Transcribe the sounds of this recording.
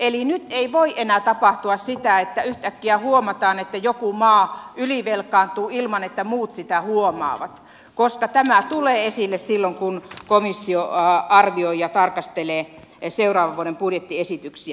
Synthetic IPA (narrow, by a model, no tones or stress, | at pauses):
elinyt̪eiʋoiʔenæːˑt̪ɑpɑht̪uɑssit̪æet̪ːæyht̪ækːiæhuomɑt̪ɑːnet̪ːæjokumɑːyliʋelkɑːnt̪uːilmɑnet̪ːæmuːt̪sit̪æhuomɑ̰ːʋɑt̪ | koskɑt̪æmæt̪uleːesilːessilːoŋkunkomisːioɑrʋioijɑt̪ɑrkɑst̪eleː | seurɑːʋɑʋʋuoɾempudjet̪ːiesit̪yksiæ